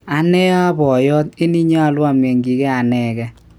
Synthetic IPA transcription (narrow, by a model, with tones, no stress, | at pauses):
a˨nɛ˦a˦bɔ˨jɔ˦ti˦ni˦ɲa˦˨lwa˨mɛ˨ŋɡi˨kɛ˦a˨nɛ˨kɛ˦